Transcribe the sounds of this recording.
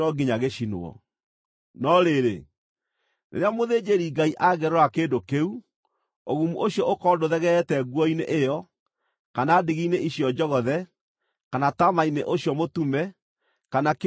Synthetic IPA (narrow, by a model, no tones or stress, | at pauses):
ɔɡiɲaɣeɕino̰ɔ̰ | nɔɾeɾḛ | nḛɾeamoðeːd͡ʑeɾiːɡaiʔaɣɛɾɔakeːndokeu | oɣumuʔoɕjɔʔokɔːdoðɛɣɛɛtɛɡwɔinḛʔejɔ | kanaːdiɣiineiɕiɔd͡ʒɔɣɔðɛ | kanatamaineʔoɕjɔmotumɛ | kanak